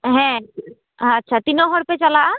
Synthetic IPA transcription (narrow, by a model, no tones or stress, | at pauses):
ɦɛ̃ | ɐtːʃʰat̪inɔɦɔɾpet͡ʃalaʔa